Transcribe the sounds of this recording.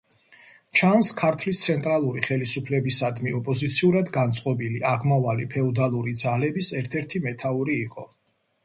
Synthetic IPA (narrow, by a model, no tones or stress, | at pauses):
t͡ʃʰanskʰaɾt̪ʰvlist̪sʰɛnt̪ʼɾalˠuɾiχɛlisupʰlɛbisad̪miɔpʼɔzit̪sʰiuɾad̪ɡant̪sʼqʼɔbiliʔaʁmavalipʰɛɔd̪alˠuɾid̪zalɛbisɛɾt̪ʰɛɾt̪ʰimɛt̪ʰauɾiːqʼɔ